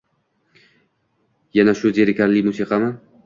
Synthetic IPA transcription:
janaʃʊzeɾɪkʲʰaɾlimusiqʰɑma

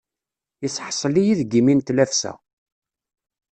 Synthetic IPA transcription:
jisːħsˤəlijiðɡimint̪læfsæ̰

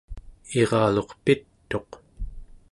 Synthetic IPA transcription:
eʁɑːlo̞qpit̪ːo̞q

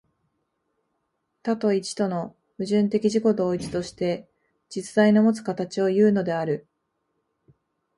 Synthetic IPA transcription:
t̪at̪o̞it͡ɕi̥t̪o̞no̞ | mɯ̟ʑɨ̃nt̪e̞kʲiʑiko̞d̪o̞ːit͡ɕi̥t̪o̞ɕi̥t̪e̞ | d͡ʑit͡sɨ̥zainomo̞t͡sɨ̥kat̪at͡ɕio̞jɯ̟ːno̞d̪e̞aɾɯ̟

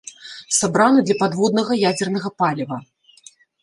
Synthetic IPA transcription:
sabɾanud̪lʲɐpad̪vɔd̪̚nɐɣɐjad͡zʲɛrnɐɣɐpalʲvɐ

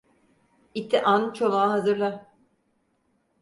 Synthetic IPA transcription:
it̪ʰiʔant͡ʃʰovaːɦazɯɾlˠa

